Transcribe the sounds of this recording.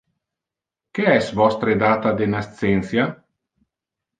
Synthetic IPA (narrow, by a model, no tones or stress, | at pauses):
keɛsvɔst̪ɾed̪aːt̪ad̪enast̪sɛnt̪sja